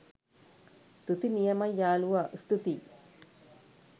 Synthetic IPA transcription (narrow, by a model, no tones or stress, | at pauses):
t̪ut̪inijɐmɐjaːluwɐʔst̪ut̪i